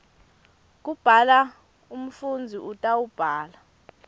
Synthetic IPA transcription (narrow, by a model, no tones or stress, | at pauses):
k̬ʼub̥ʱala | um̩fund͡zʱiʔutʼaub̥ʱaːla